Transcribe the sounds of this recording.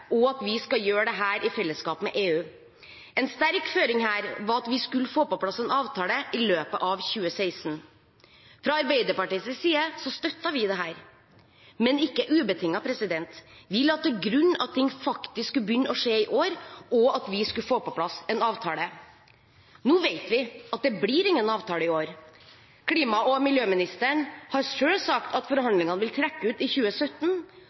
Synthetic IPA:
ɔɑt̪ʋɪskɑljøːɾəd̪ɛɦæːɾʔɪfɛlːəskɑːpmɛʔeːʉː | ɛnst̪æɾkføːɾɪŋhæːɾʋɑɾɑt̪ʋɪskʉlːəfoːpɔpʰlɑsːɛnɑːʋt̪ʰɑːləʔɪløːpəʔɑʋçʉːəseɪsn | fɾɑɑɾbæɪd̪əɾpɑʈiːsəsiːəsɔst̪œt̪ːɑʋɪd̪ɛɦæːɾ | mɛnɪkːəʔʉːbət̪ʰɪŋːɑpʰɾɛsɪd̪ɛnt̪ʋɪlːɑt̪̚d̪ɛɡɾʉnːɑt̪ʰɪŋːfɑkt̪ɪsskʉbjʏnːəɔʂeːɪʔoːɾɔɑt̪ʋɪskʉfoːpɔpʰlɑsɛnɑːʋt̪ʰɑːlə | nuːʋeɪt̪ʋɪɑt̪̚d̪ɛbliɾɪŋːənɑːʋt̪ʰɑːləɪoːɾ | kʰliːmɑɔmɪljøːmɪnɪst̪əɳhɑɾʂøːlsɑkt̪ɑt̪fɔɾhɑnd̪lɪŋɑnəʋɪlt̪ʰɾɛkːəʉːt̪ɪçʉːəsœt̪ːn

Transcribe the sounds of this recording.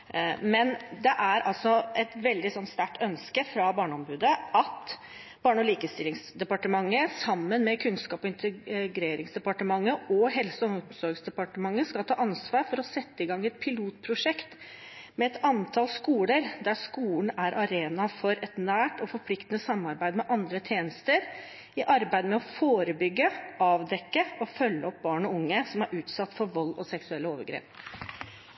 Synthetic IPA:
mɛnd̪ɛʔæɾɑ̰lsɔʔɛt̪ʋɛld̪ɪsɔnːst̪æʈːʰœnskəfɾɑbɑːɳəɔmbʉːd̪əʔɑt̪ | b̥ɑːɳɔliːkəst̪ɪlɪŋsd̪ɛpɑʈəmɑŋːəsɑmːənmɛkʰʉnskɑːpɔɪnt̪əɡɾeːɾɪŋsd̪ɛpɑʈəmɑŋːəʔɔɦɛlsɔsɔɾɡsd̪ɛpɑʈəmɑŋːəskɑlt̪ʰɑːʔɑnsʋɑːɾfɔɾɔsɛt̪ːəɪɡɑŋːɛt̪̚pʰɪluːt̪pʰɾʊʂɛkt̪ | mɛɛt̪ɑnt̪ʰɑlskuːləɾd̪æʂkuːln̩æɾʔɑɾeːnɑfɔɾɛt̪næːʈɔfɔɾpʰlɪkt̪ənəsɑmːɑɾbæɪd̪mɛʔɑnd̪ɾət̪ʰjeːnəst̪əɾ | ɪʔɑɾbæɪd̪mɛɔfoːɾəbʏɡːəʔɑːʋd̪ɛkːəɔfœlːəɔp̚bɑːɳɔʊŋːəsɔmæɾʔʉːt̪sɑt̪ːfɔɾʋɔlːɔ̰sɛksʉɛlːəoːʋəɾɡɾḛːp

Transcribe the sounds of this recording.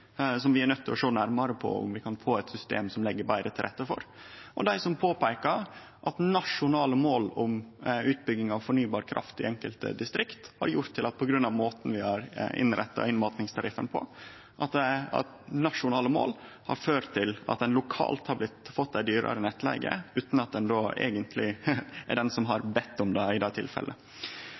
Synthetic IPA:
sɔmʋɪæɾnœt̪ːɪlɔʂoːnæɾmɑɾəpʰɔ̰ʊ̰mʋɪkʰɑnfoːɛt̪sʏst̪ḛːmsɔmlɛɡːəbæɪɾət̪ʰɪlɾɛt̪ːəfɔ̰ɾʔɔd̪æɪsɔmpʰoːpæɪkə | ʔɑt̪nɑʂʊnɑːləmoːlʊmʉːt̪̚bʏɡɪŋɑʋfɔɳyːbɑːɾkʰɾʔɑ̰ft̪ɪ̰ʔɛŋkəlt̪ə̰d̪ɪst̪ɾɪkt̪hɑ̰ɾjʊɾt̪ʰːɪlɑt̪̚pʰɔɡɾʉnːɑʋmoːt̪n̩ʋɪhɑɾɪ̰nɾʔɛt̪ːɑ̰ɪnmɑt̪nɪŋst̪ʰɑɾɪfənpʰɔ̰ | ʔɑt̪d̪ɛɑ̰t̪nɑʂʊnɑːləmo̰ːl | hɑ̰ɾføːɾt̪ʰːɪlɑ̰t̪̚d̪ɛnlʊkʰɑ̰ːlt̪hɑɾblɪt̪fɔt̪̚d̪æɪd̪yːɾə̰ɾənɛt̪ːlɛ̰ɪɡə̰ʉːt̪n̩ɑt̪̚d̪ɛnd̪oːḛːɡənt̪ʰlɪɛ̰ɖɛnsɔmɦɑɾbɛt̪ːɔmd̪ɛɪd̪ɛːt̪ʰɪ̰lfɛ̰lʔə

